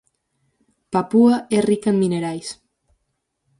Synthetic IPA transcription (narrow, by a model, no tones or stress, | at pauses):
papuaerikemmːineɾajs